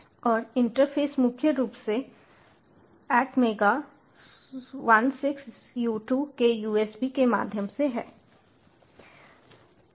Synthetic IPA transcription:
ɔːɾɪ̃ɳʈəɾpʰeːsmʊkʰjəɾuːpse | ɛːʈmeːɡa | ʋɐnsɪksjuːʈuːkejuːeːsbikema̰ːd̪ʱjəmseɦɛ̰ː

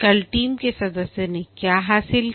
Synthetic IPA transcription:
kɐlʈiːmkesɐd̪əsːenẽkjaːɦaːsɪl

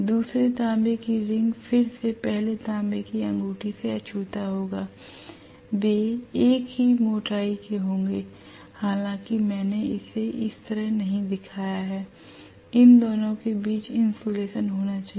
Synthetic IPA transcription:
d̪uːsɾet̪ãːmbekiɾɪ̃ŋɡfʰɪɾsepɛɦlet̪ãːmbekiɐ̃ŋɡuːʈiseɐt͡ʃʰuːt̪aɦoːɡaː | beːeːkɦimoːʈaːikeɦõːŋɡeː | haːlãkimɛ̃ːneɪseʔɪst̪əɾəɦnɐɦĩd̪ɪkʰaːjaɦɛː | ɪnd̪ɔːnõkebiːt͡ʃɪ̃nsoːleːʃənɦoːnat͡ʃaː

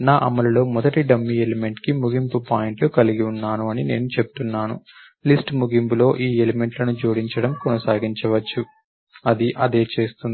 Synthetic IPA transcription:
naːʔɐmɐlɐlo̞ːmɔd̪ɐʈiɖɐmːieleme̞ɳʈkimuɡimpupaːjeɳʈlukɐliɡiunːaːnuɐnine̞ːnut͡ʃe̞pu̥t̪unːaːnṵ | lisʈmuɡimpulo̞ːʔiːeleme̞ɳʈlɐnut͡ʃoːɽiɲt͡ʃɐɽɐmkɔnɐsaːɡiɲt͡ʃɐʋɐt͡ʃːu | ɐd̪iʔɐd̪e̞ːt͡ʃe̞ːst̪und̪i

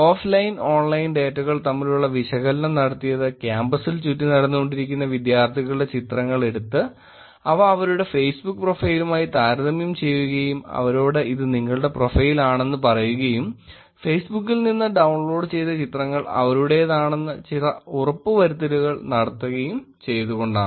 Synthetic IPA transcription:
oːflɐjno̞ːɳlɐjinɖeːtːɐɣɐɭt̪ɐmːiluɭːɐʋiɕɐɣɐlnɐmnɐɽɐt̪ːijɐðɨkʲjaːmbɐsilt͡ɕutːinɐɽɐnːuɣo̞ɳɖiɾikʲːunːɐʋid̪jaːrt̪ʰiɣɐɭɨɖe̞t͡ɕit̪rɐŋːɐɭe̞ɽut̪ːɨ | ɐʋɐːʋɐɾuɽe̞fe̞ːsbukːɨprofɐjilumaːjit̪aːɾɐðɐmjumt͡ɕe̞jːuɣɐjumɐ̰ʋɐɾoːɽe̞ʔiðɨniŋːɐɭɨɽe̞pro̞fɐjilaːɳe̞nːɨpɐrɐjuɣɐjum | feːsbukːilninːɐɖɐwɳɭo̞ːɖt͡ɕe̞jt̪ːɐt͡ɕit̪rɐŋːɐɭɐ̰ʋɐɾuɽe̞jðaːɳe̞nːɨt͡ɕirɐurɐpːɨʋɐɾut̪ːɐɾuɣɐɭnɐɽɐt̪ːuɣɐjum | t͡ɕe̞jt̪uɣo̞ɳɖa̰ː

